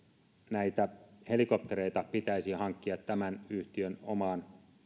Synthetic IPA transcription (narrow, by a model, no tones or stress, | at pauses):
næit̪æhe̞likop̚t̪eɾeit̪ɑpit̪æisihɑŋkːiɑt̪ːæmænyht̪iøno̰mɑːn